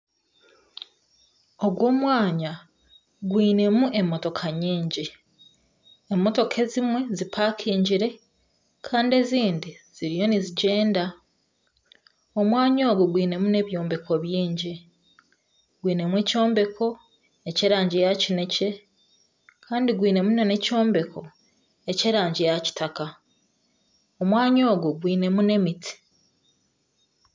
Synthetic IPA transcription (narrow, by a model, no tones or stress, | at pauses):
o̞ɡwo̞ːmwaːɲa | ɡwiːne̞muʔe̞mːo̞to̞kʰaɲiːɲɟi | emːo̞to̞kʰe̞zimwe̞zipʰakʰiːɲɟiɾe̞ | kʰaːnde̞ziːndiz̥iɾijo̞niziɟe̞ːnda | o̞mwaːɲo̞ːɡoɡwiːne̞mune̞βjo̞ːmbe̞kʰo̞βjiːɲɟi | ɡwiːne̞mweco̞ːmbe̞kʰo̞ | e̞ceɾaːɲɟejacine̞ce̞ | kʰaːndiɡwiːne̞munone̞co̞ːmbe̞kʰo̞ | e̞ceɾaːɲɟejaci̥taka | omwaːɲo̞ːɡuɡwiːne̞mune̞miti̥